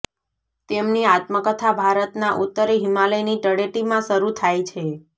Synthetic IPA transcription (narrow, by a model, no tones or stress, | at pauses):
t̪emniat̪məkət̪ʰabʱaɾət̪naʔut̪ːəɾiɦimaləjniʈəɽeʈimãʃəɾut̪ʰajt͡ʃʰe